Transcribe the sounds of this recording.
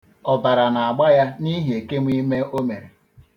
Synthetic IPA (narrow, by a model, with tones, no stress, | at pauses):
ɔ˨ba˨ɾa˨na˨a˨ɡ͡ba˦ja˦ni˦ɦe˨ke˦mʷi˦me˦ʔo˦me˨ɾe˨